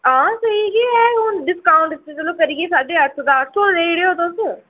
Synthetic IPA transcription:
ãːsəɦiɡiːɛːʊnɖɪskaːʊ̃ɳʈɪt̪ːet͡ʃəlõːkəɾiːɡeːsaːɖeːəɾt̪ʰd̪aːt̪ʰoːɾeːɽeɦoːt̪osə

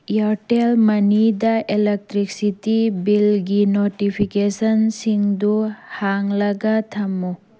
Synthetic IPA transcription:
jaɾtelmɐnidɐʔelek̚tɾiksitibilɡinotipʰikesɐnsiŋduhaŋlɐɡɐtʰɐmːu

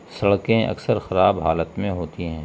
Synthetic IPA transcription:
sɐɽkẽʔɐ̰ksəɾxɐɾaːbɦaːlət̪mẽɦoːt̪iɦɛ̃ː

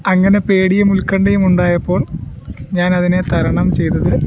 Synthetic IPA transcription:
ɐŋːɐne̞pe̞ːɽijɐmulkːɐɳɖejumuɳɖaːjɐpːo̞ːɭɲaːnɐðine̞t̪ɐɾɐɳɐmt͡ɕe̞jt̪ːɐðɨ

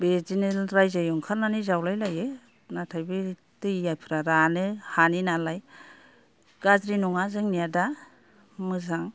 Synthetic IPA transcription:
bezinelɾajzejɔŋkʰalnanizawlajlaje | natʰajbɯ | tɯjːajpʰɯɾaɾanɯhaninalaj | ɡ̥azɾinuŋazɯŋnijada | mɯzaŋ

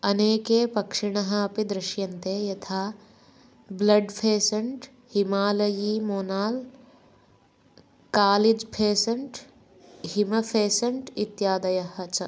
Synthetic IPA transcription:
ɐneːkeːpɐkʂiɳɐɦɐːpid̪ɾɪʃjɐnt̪eːjɐt̪ʰaː | blɐɖpʰeːsɐɳʈ | himaːlɐjiːmoːnaːl | kaːlid͡ʒpʰeːsɐɳʈ | himɐpʰeːsɐɳʈit̪jaːd̪ɐjɐɦɐt͡ʃɐ

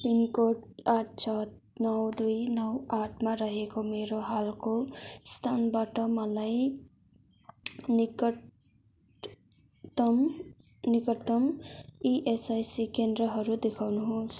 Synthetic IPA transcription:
pinkoʈaʈ̚ʰt͡sʰʌt̪ | nʌwd̪ujnʌwaʈʰmaɾʌɦekomeɾoɦalkost̪ʰanbaʈʌmʌlaj | m | nikʌt̪ʌmiʔesajsikend̪rʌɦʌɾud̪ekʰawnuɦõs

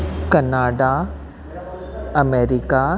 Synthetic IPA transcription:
kɐnaːɖa | ɐmeːɾika

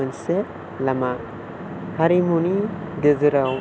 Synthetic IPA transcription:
anse | lama | haɾimunidezɯɾaw

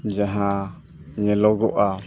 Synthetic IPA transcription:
d͡ʒaɦã | ɲẽloɡoʔa

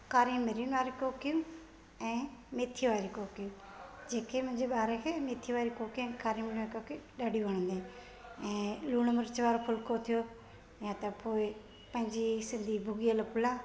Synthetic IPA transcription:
kaːɾimɪɾinʋaːɾikoːkijũː | ɛ̃ːmeːt̪ʰiʋaːɾikoːkijũ | d͡ʒeːkʰemʊ̃ɦɪ̃ɲd͡ʒeɓaːɾekʰeːmeːt̪ʰiʋaːɾikokiɛ̃ːkaːɾimɪɾaɾkokiɗaːɖiʋəɳ̃ə̃nd̪eː | ɛ̃ːluːɽ̃məɾt͡ʃʋaːɾopʰʊlkʰot̪ʰijo | jãt̪ɐpoːɪ | pɐ̃ɦɪ̃ɲd͡ʒisɪ̃nd̪ʱibʱʊɡijələpʊlaː

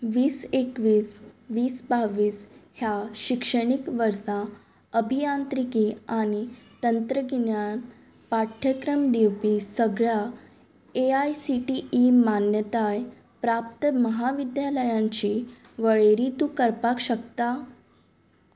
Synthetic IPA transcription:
ʋiːsekʋiːsʋiːsbaʋiːshjaɕikʂəɽ̃ikʋəɾsã | əbʱijãnt̪ɾikiːaɽ̃it̪ənt̪ɾəɡiɳjan | paʈʰjəkɾəmd̪iwpisəɡɭja | eajsiʈiːmanjət̪aj | pɾap̚t̪əməɦaʋid̪jaləjãɲt͡ɕiʋəɭeɾit̪ukəɾpakɕəkt̪a

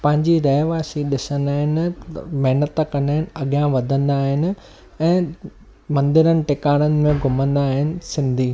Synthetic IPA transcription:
pɐ̃ɦɪ̃ɲd͡ʑiɾɐɦʋaːsiɗɪsə̃nd̪aːɦɪnɪ̆mɐɦɪnət̪əkɐ̃nd̪aːɦɪnɪ̆ɐɠjãʋɐd̪ʱə̃nd̪aːɦɪnɪ̆ | ɛ̃ː | mɐ̃nd̪ɪɾənɪ̆ʈɪkaːɽ̃ənɪ̆mẽɡʱʊmə̃nd̪aːɦɪnɪ̆sɪ̃nd̪ʱiː

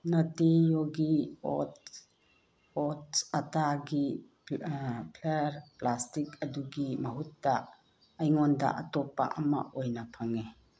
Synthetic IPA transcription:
nɐtijoɡiɔ̰t | ɔtsataɡi | pʰleɾplastikɐduɡimɐɦutːaː | jŋɔnda̰ʔatɔpːa̰ʔɐma̰ʔojnapʰaŋe

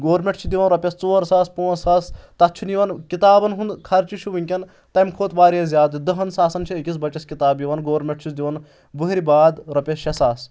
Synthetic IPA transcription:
ɡoːɾmʲeʈt͡ʃʰud̪iʋɐnɾɐpʲɐst͡soːɾsaːspoːsaːst̪ɐt̪̚t͡ʃʰuniʋɐnkit̪aːbɐnɦund̪kʰɐɾt͡ʃiʃʰuʋiŋkʲɐn | t̪ɐmkʰoːt̪ʋaːɾjɐzʲjaːd̪ɨd̪ɐɦɐnsaːsɐnt͡ʃʰiɐkʲis̬bɐt͡ʃɐskit̪aːbjiʋɐnɡoːɾmʲeʈ̚t͡ʃʰisd̪iʋɐn | bɨɦɾibaːd̪ɾɐpʲɐsʃɐsaːs

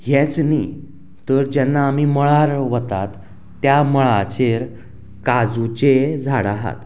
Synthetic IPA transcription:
jɛt͡sni | t̪əɾd͡ʑɛnːaːmiːməɭaɾʋət̪at̪ː | jaməɭat͡ɕeɾ | kad͡zut͡ɕed͡zʱaɽaɦa̰t̪

